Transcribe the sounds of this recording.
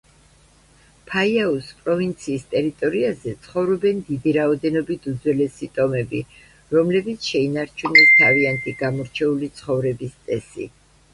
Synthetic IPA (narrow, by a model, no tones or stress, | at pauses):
pʰaiauspʼɾɔvint̪sʰiːst̪ʼɛɾit̪ʼɔɾiazɛt̪sʰχɔvɾɔbɛnd̪id̪iɾaɔd̪ɛnɔbit̪ʰud̪zwɛlɛsit̪ʼɔmɛbḭ | ɾɔmlɛbit̪sʰʃɛinaɾt͡ʃʰunɛt̪ʰaviant̪ʰʼiɡamɔɾt͡ʃʰɛulit̪sʰχɔvɾɛbist̪sʼɛsḭ